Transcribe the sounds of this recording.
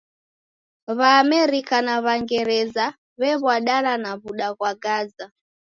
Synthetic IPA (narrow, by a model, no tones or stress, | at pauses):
βaːmɛɾikanaβaŋɡɛɾɛza | βɛβwaɗalanaβuɗaɣwaɡaza